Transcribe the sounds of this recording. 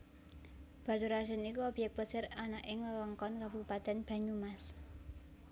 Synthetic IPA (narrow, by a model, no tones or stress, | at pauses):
b̥a̤t̪uɾasənikuɔb̥jɛk̚pəsɪranaʔɪŋlələŋkɔnkabupat̪ɛnb̥a̤ɲumas